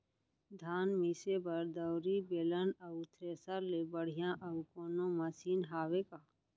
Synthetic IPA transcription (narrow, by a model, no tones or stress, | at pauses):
d̪ʱaːnmisebəɾd̪əʊɾibeːlənət̪ʰɾeːsaɾlebəɽ̤ijãʔɐʊkoːnõməsiːnɦaːwekaː